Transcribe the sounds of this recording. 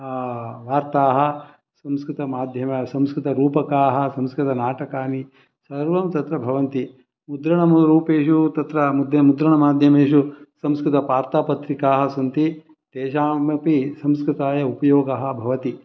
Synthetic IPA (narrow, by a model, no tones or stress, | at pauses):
ʋaːɾt̪aːɦɐ̆ | sɐmskɾɪt̪ɐmaːd̪ʱjɐmɐsɐmskɾɪt̪ɐɾuːpɐkaːɦɐ̆sɐ̃mskɾɪt̪ɐnaːʈɐkaːni | sɐɾʋɐmt̪ɐt̪ɾɐbʱɐʋɐnt̪i | mud̪ɾɐɳɐmɾuːpeːʃut̪ɐt̪ɾɐmud̪jɐmud̪ɾɐɳɐmaːd̪ʱjɐmeːʃusɐmskɾɪt̪ɐpaːɾt̪aːpɐt̪ɾikaːɦɐsunt̪i | t̪eːʃaːmɐpisɐmskɾɪt̪aːjɐupɐjoːɡɐɦɐ̆bʱɐʋɐt̪i